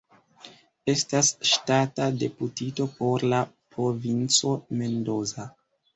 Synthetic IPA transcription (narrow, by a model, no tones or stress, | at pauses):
e̞stasʃtatade̞putito̞po̞ɾlapɾo̞vint͡so̞me̞ndo̞za